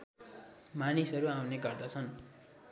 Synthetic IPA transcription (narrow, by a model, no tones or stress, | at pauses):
manisʌɾuaw̃neɡʌrd̪ʌt͡sʰʌn